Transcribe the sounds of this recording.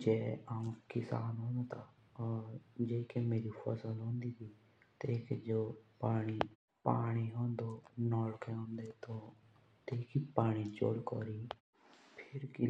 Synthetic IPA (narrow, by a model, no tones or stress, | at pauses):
d͡ʒɛːaːũkɪsa̰ːnɦõːnd̪oːt̪aː | d͡ʒeːkeːmeːɾiːpʰɔsəlɦõːnd̪iːt̪ʰiː | t̪eːked͡ʒoːpaːɽ̃iː | paːɽ̃iːɦõːnd̪oːnɔːlkʰẽɦõːnd̪eːt̪oː | t̪eːkipaːɽ̃it͡ʃo̰ːɽkɔːɾiː | pʰɪɾki